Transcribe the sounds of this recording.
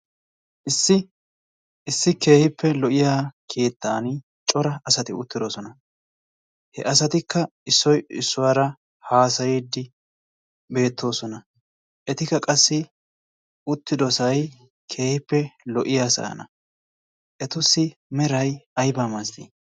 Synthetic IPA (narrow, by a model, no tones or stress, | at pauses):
ʔɪsːɪ | ɪsːɪke̞ːhɪpːɛlɔʔɪjaːkʰe̞ːt̪ːaːnɪ | t͡ʃʼɔɾɐɐsɐt̪ɪʊt̪ːɪd̪ɔsɔnɐ | hɛ̰ʔɐs̬ɐt̪ɪkːɐ | ɪsːɔjɪsːʊwaːɾɐ | haːsɐjed̪ːɪ | be̞ːt̪ʰːo̞ːsɔnɐ | ʔɛt̪ɪkːɐkʼɐsːɪ | ʊt̪ːɪd̪ɔsɐj | kʰe̞ːhɪpːɛlɔʔɪjaːsɐ̰ɐ̰nɐ | ʔɛt̪ʊsːɪmɛɾɐjɐjbaːmasd̪ḭ